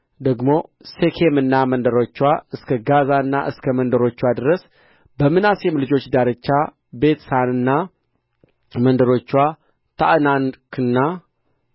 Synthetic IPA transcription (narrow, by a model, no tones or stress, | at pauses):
d̪əɡmo̞sekʰemɨnːamənd̪əɾo̞t͡ʃːwaɨskʰəɡazanːa̰ʔɨskʰəmənd̪əɾo̞t͡ʃːwad̪ɨɾəs | bəmɨnasjɛmlɨd͡ʒo̞t͡ʃːd̪aɾət͡ʃːa | be̞t̪sanɨnːa | mənd̪əɾo̞t͡ʃːwa | t̪ʰaʔnankʰɨnːa